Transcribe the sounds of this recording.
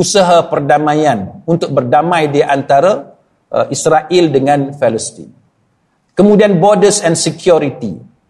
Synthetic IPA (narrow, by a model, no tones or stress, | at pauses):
usaɦapərdamãjanunt̪ʊk̚bərdamãjdiʔant̪aɾa̰ | ʔisɾaʔɪldəŋãnfɛləst̪ḭn | kəmũdianbɔdəsɛnsɛkjɔɾit̪ḭ